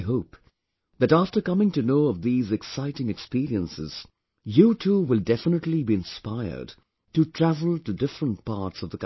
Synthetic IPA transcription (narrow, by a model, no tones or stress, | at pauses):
ɦoʊp̚ | ðɨɾæftə˞kʌmɪ̃ŋtɨnoʊʌvðizɨksaɪɾɪ̃ŋɨkspiɹiə̃nsɪz̥ | jɨtʰuwɨlˠdɛfənətˡlibiɨ̃nspaɪə̰˞d̚ | tɨtʰɹ̥ævəl̩ˠtɨdɪfɹə̃nt̚pʰɑɹtsʌvðək